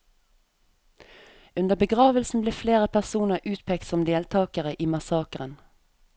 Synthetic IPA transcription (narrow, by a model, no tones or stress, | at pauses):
ʉnd̪əbəɡʁɑːʋəlsn̩bleːfleːʁəpʰæʁsuːnəʁʔʉːt̪pʰeːk̚t̪sɔmd̪eːlt̪ʰɑːkəʁəʔiːmɑsɑːkəʁən